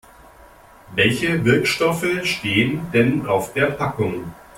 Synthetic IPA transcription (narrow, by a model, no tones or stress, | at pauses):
vɛlçəvɪɐkʃtɔfəʃteːəndɛnaʊfd̥eːɐpʰakʊŋ